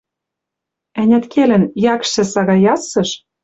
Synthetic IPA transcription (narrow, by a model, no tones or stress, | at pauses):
ænʲæt̪kʰelɘ̆njɑkʃɘ̆sɑɣɑjɑsɤ̆ʃ